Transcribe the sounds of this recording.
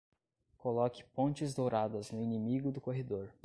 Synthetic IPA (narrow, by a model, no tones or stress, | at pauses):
kolɔkɪ̥põt͡ʃɪzd̪owɾad̪ɐznʊinĩmiɡʊd̪ʊkoɦed̪oɾ